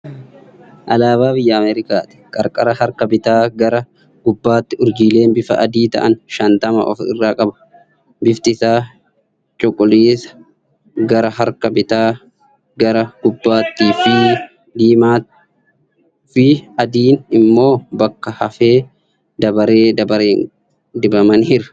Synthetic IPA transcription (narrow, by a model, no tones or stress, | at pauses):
ʔɐlaːβaːbɪjːɐɐmeːɾɪkaːt̪ɪ̥kʼɐɾkʼɐɾɐhɐɾkɐbɪt̪aːɡɐɾɐ | ɡ̥ʊbːaːt̪ːɪʊɾd͡ʒiːle̞ːnbɪfɐ̰ʔɐd̪iːt̪ɐ̰ʔɐnʃɐnt̪ɐmɐ̰ʔɔ̰fɪ̰rːaːkʼɐbɐ̥ | bɪft̪ɪsaː | t͡ʃʼɔkʼːʊleːsɐ̥ | ɡɐɾɐɦɐɾkɐbɪt̪aː | ɡɐɾɐɡ̥ʊbːaːt̪ːiːfɪ | d̪iːmaːt̪ | fɪɐd̪iːnɪmːo̞ːbɐkːɐhɐfeː | d̪ɐbɐɾeːd̪ɐbɐɾeːn | d̪ɪbɐmɐnɪɾɐ̥